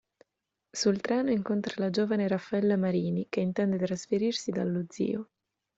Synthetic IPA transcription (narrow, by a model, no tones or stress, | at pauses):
sult̪ɾɛːnoiŋkont̪ɾalad͡ʒoːvaneɾafːaɛlːamaɾiːnik̟eint̪ɛnd̪et̪ɾasfeɾirsid̪alːud̪zːḭːo